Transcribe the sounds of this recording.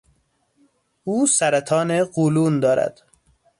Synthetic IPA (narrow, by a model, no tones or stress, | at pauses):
uːsæɾæt̪ʰɒːneɢuːluːnd̪ɒːɾæ̰d̪̥